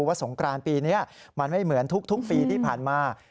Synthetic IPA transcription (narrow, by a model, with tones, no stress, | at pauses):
waː˥˩so˩˦ŋkɾaː˧npiː˧niː˦˥ɐma˧nma˥˩jmɯ˩˦ənt̪ʰu˦˥k̚t̪ʰu˦˥k̚piː˧t̪ʰiː˥˩pʰaː˨˩nmaː˧